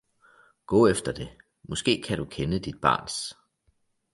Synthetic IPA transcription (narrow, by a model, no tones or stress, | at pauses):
ɡ̥ɔ̰̽ːefd̥ɐd̥e̝ | mɒ̽sɡ̥e̝̰ːkʰæɾ̥ukʰenəd̥id̥̚b̥ɑ̰̈ːns